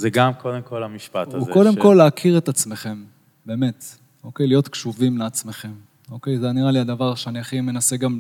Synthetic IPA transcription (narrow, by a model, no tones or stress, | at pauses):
zeɡamkod̪emko̞lamiʃpat̪auko̞d̪e̞mko̞lːeːkʰiʁet̪at͡sme̞χe̞m | be̞ːmet̪ | o̞ke̞jlijo̞t̪kʃuvimleat͡sme̞χe̞m | o̞ke̞jzeniʁaliad̪avaʁʃeaniaχime̞nase̞ɡam